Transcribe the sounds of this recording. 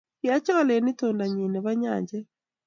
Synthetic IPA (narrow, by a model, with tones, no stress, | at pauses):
ja˦t͡ʃɔ˦lɛ˨nɪ˦toː˨nda˨ɲi˨ne˨βa˦ɲa̰ː˨ɲd͡ʒɛ˦